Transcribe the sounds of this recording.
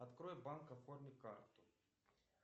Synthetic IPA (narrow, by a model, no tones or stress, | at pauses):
ɐt̪kɾojbankɐfornʲɪkart̪ʊ̥